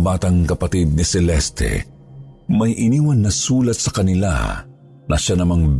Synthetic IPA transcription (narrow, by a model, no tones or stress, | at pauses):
baːt̪ɐŋkɐpɐt̪id̪̚nɪsɛlɛst̪ɛ̰ | mɐjʔɪniːwɐnːɐsuːlɐt̪sɐkɐnɪla̰ | nɐʃanɐmaŋb